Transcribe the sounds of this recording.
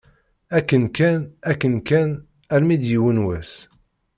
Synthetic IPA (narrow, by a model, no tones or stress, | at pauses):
ækːənkænækːənkæn | ælmid̪jiwənwæs